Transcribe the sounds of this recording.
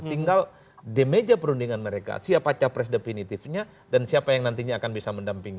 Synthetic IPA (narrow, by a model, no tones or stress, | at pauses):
t̪iŋɡal | demed͡ʒapəɾundiŋanməɾeka̰siapat͡ʃapɾɛs̬definit̪ifɲa | dansiapajaŋnant̪iɲaːkanbisaməndampiŋ